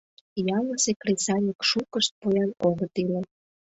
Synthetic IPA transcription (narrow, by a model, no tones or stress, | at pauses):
jɑlə̆sekresɑnʲikʃukəʃt̪̚pojɑnoɣət̪ilĕ